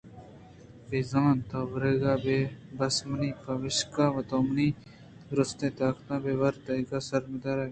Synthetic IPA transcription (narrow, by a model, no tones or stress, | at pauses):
bezãːnt̪ɐʋɾeɡaːbeːbɐsməniːpɐʋɪʃkaːʋɐt̪oːmniː | ɾʊst̪ẽːt̪aːkt̪ãːbeːʋɐɾt̪ɐikaːsɐɾmed̪aɾa